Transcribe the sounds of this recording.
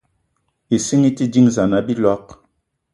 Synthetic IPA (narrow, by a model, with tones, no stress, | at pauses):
i˨si˦ŋi˦ti˦di˦ŋza˨na˨bi˦lɔ˦k̚